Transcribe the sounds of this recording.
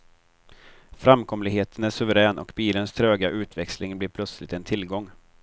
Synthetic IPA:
fɾamkʰɔmlɪɡheːt̪ʰənæʂɵvəɾɛːnʔɔ̰kbiːlənst̪ʰɾøːɡaʔʉ̟ːt̪ʰvɛkslɪŋblɪɾpʰlœt̪slɪt̪ɛnt̪ʰɪlɡɔŋː

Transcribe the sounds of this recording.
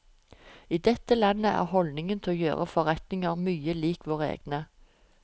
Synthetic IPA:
iːd̪ɛt̪əlɑnːəʔæ̰ːʁhɔld̪nɪŋənt̪ʰɛoːjøːʁəfɔʁɛt̪nɪŋəʁmyːəliːkʰʋoːʁəḛːɡ̥nə

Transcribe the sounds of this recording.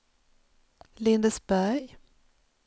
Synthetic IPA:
lɪnd̪əsbæɾj

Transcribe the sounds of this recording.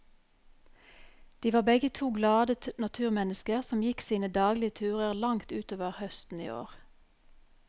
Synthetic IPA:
d̪̥iːʋɑːbɛɡət̪ʰuːɡlɑːd̪ənɑt̪ʰʉːʁmɛnəskəʁsɔmjɪksiːnəd̪ɑːɡlɪət̪ʰʉːʁəʁlɑŋt̪ʉːt̪oːʋəʁhœst̪n̩ḭːo̰ːʁ

